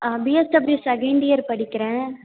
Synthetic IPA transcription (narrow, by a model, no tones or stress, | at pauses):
biːɛsʈɐbɾisɐɡɛɳɖɪjɐɾpɐɽɪkːɪɾẽː